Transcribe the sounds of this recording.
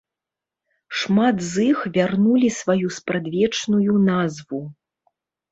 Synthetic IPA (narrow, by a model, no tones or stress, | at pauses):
ʂmad̪zixvʲarnulʲisvajuspɾad̪vʲɛt͡ʂnujunazvu